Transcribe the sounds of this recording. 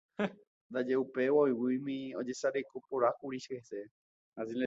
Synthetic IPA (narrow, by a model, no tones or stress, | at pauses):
nd̪ad͡ʒeupe̞waojwijmĩod͡ʒe̞saɾekopoɾakuɾiʃhese | asĩle